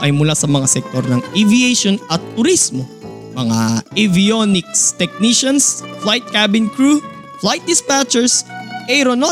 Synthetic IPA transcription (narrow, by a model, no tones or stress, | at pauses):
ʔɐjmʊlasɐmɐŋasɛk̚t̪oɾnɐŋivieʃonɐt̪ːʊɾismo | mɐŋa̰ʔivijonɪkst̪ɛk̚niʃɐnsflajt̪̚kabɪnkɹu | flajt̪̚d̪ɪspat͡ʃɛɹsʔɛɾono